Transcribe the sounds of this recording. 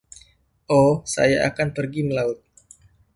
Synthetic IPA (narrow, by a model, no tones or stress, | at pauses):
ʔosa̰jaʔa̰kanpərɡiməlaʊt̪̚